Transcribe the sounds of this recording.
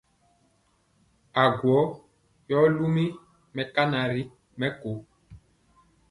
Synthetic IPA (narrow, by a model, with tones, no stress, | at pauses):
a˨ɡwɔ˨˦ | jɔ˦lu˦mi˦ | mɛ˨ka˦na˨ɾi˦ | mɛ˦ko˨